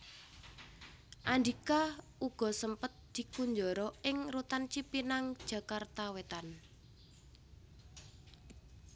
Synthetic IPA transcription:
ʔand̪ika | uɡ̥ɔ̤səmpət̪̚d̪̥i̤kuɲd͡ʒɔɾɔɪŋrut̪ant͡ʃipinaŋd̥ʒ̥ä̤kart̪awet̪an

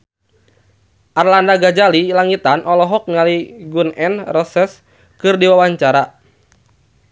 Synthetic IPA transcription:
ʔarlandaɡad͡ʒalilaŋit̪anʔɔlɔɦɔk̚naliɡunɛnrɔsɛs | kɨrdiwawaɲt͡ʃaɾa

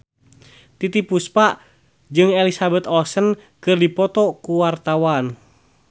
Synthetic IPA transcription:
t̪it̪ipuspaʔ | d͡ʒɨŋɛlisabɛt̪ɔsən | kɨrdipɔt̪ɔkuwart̪awan

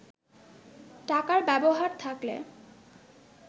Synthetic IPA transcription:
ʈakaɾbɛboɦaɾt̪ʰaklḛ

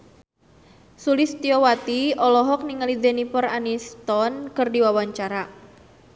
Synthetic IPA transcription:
sulɪst̪iɔwat̪iɔlɔɦɔk̚niŋəlid̪enipɔranist̪ɔnkərdiwawaɲt͡ʃaɾa

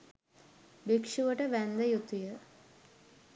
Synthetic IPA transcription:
bikʂuʋəʈəʋænd̪əjut̪ijə

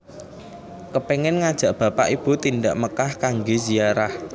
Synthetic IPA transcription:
kəpeŋɛnŋad̥ʒ̥ä̤ʔb̥ä̤pa̰ʔib̥ut̪indaʔməkahkaŋɡeziaɾah

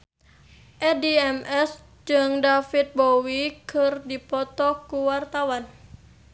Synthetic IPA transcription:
ʔɛdiɛmɛs | d͡ʒɨŋdafit̪̚bowikʰərdipɔt̪ɔkuwart̪awan

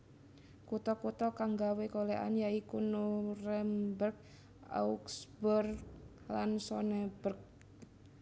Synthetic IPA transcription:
kut̪ɔkut̪ɔkaŋɡawekoleʔa̰njaikunurɛmbərk̚ | a̰uksbur | lansɔnɛbərk̚

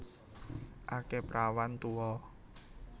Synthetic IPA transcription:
ʔakepɾawant̪uɔ

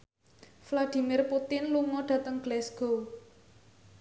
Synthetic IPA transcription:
flad̪̥i̤mɪrput̪ɪnluŋɔɖ̥ä̤t̪əŋɡ̥lɛsɡ̥o

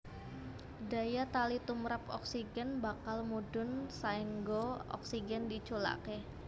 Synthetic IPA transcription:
dajat̪alit̪umɾapɔ̰ksiɡɛnbakalmudʊnsaiŋɡoɔ̰ksiɡɛndit͡ʃola̰ke

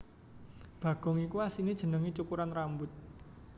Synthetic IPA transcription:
b̥ä̤ɡ̥ɔ̤ŋikuasinid̥ʒ̥ə̤nəŋit͡ʃukuɾanrambʊt̪̚

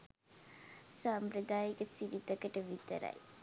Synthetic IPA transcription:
saːmpɾəd̪aːjikəsiɾit̪əkəʈəʋit̪ə̰ɾɐ̰j

